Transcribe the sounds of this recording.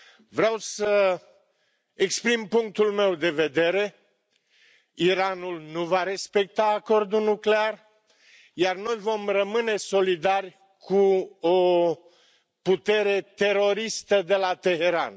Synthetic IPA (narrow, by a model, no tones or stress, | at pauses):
vɾeawsə | ekspɾimpuŋk̚t̪ulme̞wd̪e̞ve̞d̪e̞ɾe̞ | iɾanulnuvaɾe̞spe̞k̚t̪aːko̞rd̪unukle̞ar | jarno̞jvo̞mrəmɨne̞so̞lid̪arʲ | kʰuo | put̪e̞ɾe̞t̪e̞ɾo̞ɾist̪əd̪e̞lat̪e̞ɦe̞ɾa̰n